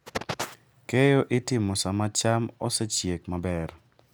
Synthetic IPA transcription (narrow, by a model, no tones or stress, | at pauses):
kejoʔɪtɪmosamat͡ʃamɔsɛt͡ʃjekmabɛr